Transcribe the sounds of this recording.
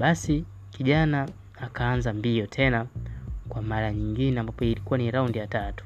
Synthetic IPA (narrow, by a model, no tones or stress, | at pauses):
ɓasi | kiʄanaː | kaːnzambiɔtʰɛnakwamaɾaɲiŋɡinɛambapɔilikuaniɾaundijatatu̥